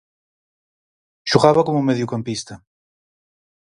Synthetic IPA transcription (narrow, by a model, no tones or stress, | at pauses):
ʃuɣaβakomumeðjukampist̪ɐ